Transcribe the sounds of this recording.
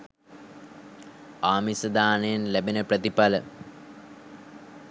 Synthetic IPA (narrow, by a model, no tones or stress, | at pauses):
aːmisəd̪aːnejenlæbenəprət̪ipalə̰